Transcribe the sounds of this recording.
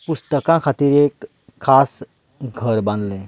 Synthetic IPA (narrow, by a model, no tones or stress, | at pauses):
pust̪əkãkʰat̪iːɾeːkʰː | aːs | ɡʱəɾbãnd̪lẽ